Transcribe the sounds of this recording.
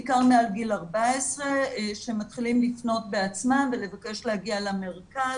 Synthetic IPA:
kaʁmealɡilaʁbaesʁeʃemat̪χilimlifno̞t̚be̞at͡smamve̞le̞vake̞ʃlehaɡialame̞ʁkaz

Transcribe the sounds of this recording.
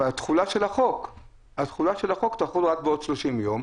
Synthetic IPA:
at̪χulaʃelaχo̞k | at̪χulaʃelhaχo̞kt̪aχulʁak̚beo̞dʃloʃimjom

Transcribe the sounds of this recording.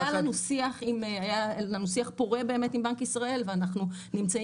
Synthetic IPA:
alanusiaχimajalanusiaχpoʁe̞beːme̞timbaŋkisʁae̞lveanaχnunimt͡sa

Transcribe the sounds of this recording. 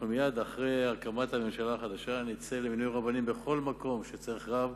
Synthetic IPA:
numijad̪aχʁeaʁkamat̪hame̞mʃalaːχad̪aʃanit͡seleminujʁabanimbe̞χo̞lmako̞mʃet͡saiχʁav

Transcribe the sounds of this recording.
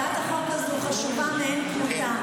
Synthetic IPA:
at̪aχokbazuχaʃuvameenkmuta

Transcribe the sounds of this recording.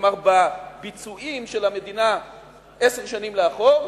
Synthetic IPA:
maʁbabit͡suʔimʃelame̞d̪ina | ʔeseʁʃanimleaχoʁ

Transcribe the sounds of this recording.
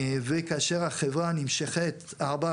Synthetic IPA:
vekaaʃeʁaχevʁanimʃeχet̪ | aʁba

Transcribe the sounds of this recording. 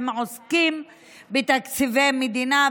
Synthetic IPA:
mʕoskim | bet̪akt͡sivejmed̪ina

